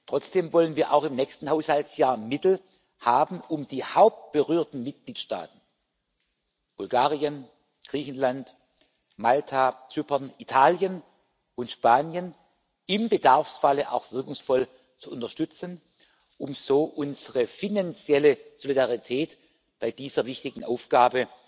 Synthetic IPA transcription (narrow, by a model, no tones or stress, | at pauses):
tʁ̥ɔt͡sd̥eːmvɔlənviːɐʔa̰ʊxɪmnɛːçstn̩haʊshaltsjaːɐmɪtl̩ | haːbn̩ʊmd̥iːhaʊp̚t̚b̥əʁyːɐtn̩mɪt̚ɡ̥liːtʃta̰ːtn̩ | b̥ʊlɡaːʁiən | ɡ̥ʁiːçn̩lant | maltʰat͡syːpɐnitʰaːljən | ʔʊntʃpaːnjən | ɪmbədaʁfsfaləʔa̰ʊxv̥ɪɐkʊŋsfɔl | t͡suʔʊntɐʃtʏt͡sən | ʔʊmz̥oːʔʊnzəʁəfinant͡sjɛləz̥olidaʁitʰɛːt | b̥aɪdiːzɐvɪçtɪɡŋ̩ʔaʊfɡ̥aːbə